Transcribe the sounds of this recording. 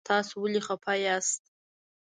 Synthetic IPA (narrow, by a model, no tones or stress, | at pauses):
t̪ʰɑsowəliχapʰajast̪̚